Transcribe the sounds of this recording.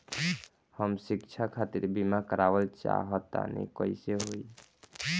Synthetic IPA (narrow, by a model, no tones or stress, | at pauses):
həmsikt͡ʃʰakʰat̪iɾbimakəɾabəlt͡ʃa̰ɦət̪ːa̰nə̰kəiseɦoj